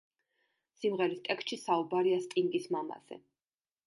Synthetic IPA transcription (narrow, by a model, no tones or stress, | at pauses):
simʁɛɾist̪ʼɛkst̪ʃisaubaɾiast̪ʼiŋɡismama̰z̥ɛ̰